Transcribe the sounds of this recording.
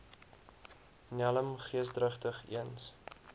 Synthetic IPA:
nɛləmχiəsdrəχtəχḭəns

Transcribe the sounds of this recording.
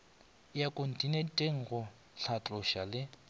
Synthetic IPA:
jakʼon̩tʼinetʼeŋ̩ɣʊ | ɬʰat͡ɬʼʊʃalɪ

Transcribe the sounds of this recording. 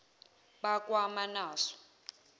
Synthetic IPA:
ɓakʼwamanaːsɔ̥

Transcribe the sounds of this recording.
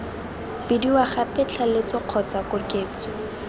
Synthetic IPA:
bɪdiwaχapɛt͡ɬʰalɪt͡sɔq͡χʰɔt͡sakʊkeːt͡sɔ̥

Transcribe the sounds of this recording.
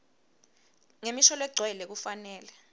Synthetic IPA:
ŋemiʃɔlɛɡ͡ǀʱwɛlɛk̬ufanɛːlɛ

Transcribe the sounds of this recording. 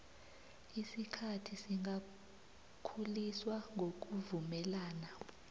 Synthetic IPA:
isikʰatʰisiŋʱa | kʰuliswaŋɡʱok̬ʼuvumɛlaːna

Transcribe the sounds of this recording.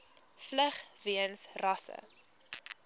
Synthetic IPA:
flæχriənsrɐsə̰

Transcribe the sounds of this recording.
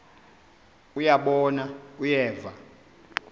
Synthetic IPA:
ujaɓɔnaujɛːva

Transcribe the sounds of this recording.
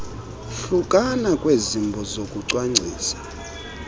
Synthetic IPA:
ɬukʼanakʼwezimbʱɔzokʼuǀwaŋ͡ǀʱiːsḁ

